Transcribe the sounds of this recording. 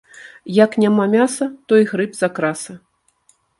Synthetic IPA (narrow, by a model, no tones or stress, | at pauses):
jɐknʲamamʲasɐt̪ɔiɣɾɨpzakɾasɐ